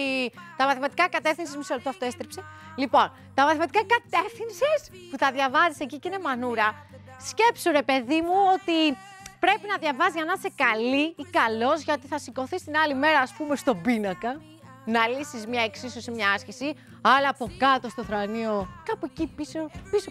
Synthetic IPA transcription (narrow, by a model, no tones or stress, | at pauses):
t̪ɐmɐθimɐt̪ikɐkɐt̪e̞fθinsizmisolpt̪oɐft̪oest̪ɾipselipo̞n | t̪ɐmɐθimɐt̪ikɐkɐt̪e̞fθinsispuθɐðʝɐvɐzise̞ciceine̞mɐnuɾɐ | sce̞psuɾe̞pe̞ðimuot̪i | pɾe̞pinɐðʝɐvɐzʝɐnɐsekɐliːkɐlo̞zʝɐot̪iθɐsiko̞θist̪inɐlime̞ɾɐːspume̞st̪o̞binɐkɐ | nɐlisizmɲɐeksisosemɲɐɐsçesi | ɐlɐːpo̞kɐt̪o̞st̪oθɾɐnio̞kɐpuecipisopiso